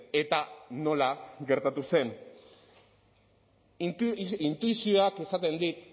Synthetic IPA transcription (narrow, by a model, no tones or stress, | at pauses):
e̞t̪ano̞laɡe̞ɾt̪at̪use̞n | int̪uisio̞akesat̪e̞nd̪it̪